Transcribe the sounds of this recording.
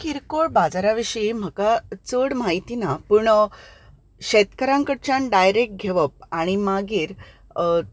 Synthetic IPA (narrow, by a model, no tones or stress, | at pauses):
kiɾkoɭbad͡zaɾaʋiɕim̤əkat͡səɽmaɦit̪inapuɳ | ɕet̪kəɾãŋkəɽt͡ɕãnɖajɾek̚ʈ̚ɡʱeʋəp̚aɽ̃imaɡiːɾ